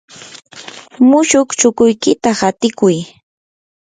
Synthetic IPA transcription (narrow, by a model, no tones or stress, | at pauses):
mʊʃʊkt͡ʃʊkʊjkɪt̪ahat̪ɪkʊj